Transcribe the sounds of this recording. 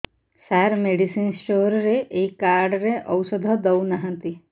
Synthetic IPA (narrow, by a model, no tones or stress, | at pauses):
saɾmeɖisiːnsʈoːɾɾeʔekːaːɾɖɾeʔɐwsəd̪ʱəd̪ɐwnaɦə̃t̪i